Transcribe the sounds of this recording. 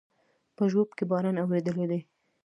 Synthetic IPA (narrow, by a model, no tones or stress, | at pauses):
pəʒwobkebɑɾanawɾed̪əled̪e